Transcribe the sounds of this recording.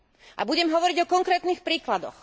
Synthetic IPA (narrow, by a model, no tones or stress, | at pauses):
ʔa̰buɟɛmɦɔʋɔɾiɟɔkɔŋkɾɛːt̪nixpɾiːklad̪ɔ̰x